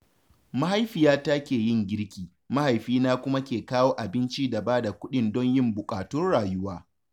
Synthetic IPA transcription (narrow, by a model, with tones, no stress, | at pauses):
ma˦ɦa˦jɸɪ˨jaː˦ta˦kʲeː˨jɪ˦˨ŋɡʲɪ˦ɽkʲiː˨ | ma˦ha˨jɸiː˦naː˦kʷʊ˦ma˦kʲeː˨kaː˦woː˦ʔa˨bɪ˦nt͡ʃiː˦da˨baː˦da˨kʷʊ˦ɗɪ˦ndɔ˦ɲjɪ˦mbʊ˨kʼaː˨tʊ˦nɽaː˨jʊ˦waː˦